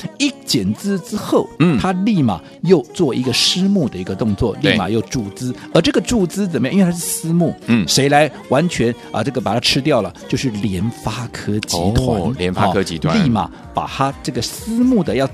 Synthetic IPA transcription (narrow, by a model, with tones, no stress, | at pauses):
i˥˩t͡ɕjɛ˨˩nt͡sɹ̩˥ʈ͡ʂɻ̩˥xo˥˩ʊ˩t̪ʰa˥li˥˩ma̰˨˩ | jo˥˧ʊt͡swɔ˥˩i˧˥ɡə˧ʂɻ̩˥mu˥˩d̪ə˩i˧˥ɡə˧t̪ʊ˥˧ŋt͡swɔ˥˩li˥˧˩ma̰˨˩jo˥˧ʊʈ͡ʂu˥˩t͡sɹ̩˥ə˞˧˥ʈ͡ʂɤ˥˩ɡə˩ʈ͡ʂu˥˩t͡sɹ̩˥t͡sə˨˩nmə̃˧˥˧ʂsɹ̩˥mu˥˩˥ʂe˧˥ɪla˧˥ɪ | wa˧˥nt͡ɕʰɥɛ˧˥n | ə̰˧ʈ͡ʂɤ˥˩ɡə˩pa˨˩t̪ʰa˥ʈ͡ʂʰɻ̩˥t̪̬jɑ˥˩ʊlə˩t͡ɕjo˥˧ʊʂɻ̩˥˩ljɛ˧˥nfa˥kʰɤ˥t͡ɕʰḭ˧˥t̪ʰwa˧˥ljɛ˧˦nfa˥˧ɤ˥t͡ɕi˧˥t̪ʰli˥˩ma̰˨˩ | pa̰˨˩t̪ʰa˥ʈ͡ʂɤ˥˩ɡə˩sɹ̩˥mu˥˩d̪ə˩jɑ˥˩ʊ